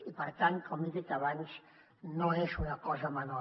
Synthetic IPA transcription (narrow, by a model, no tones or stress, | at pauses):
ipəɾt̪ant̪̚kɔmiðit̪aβanz | noezunakɔzaəmanɔ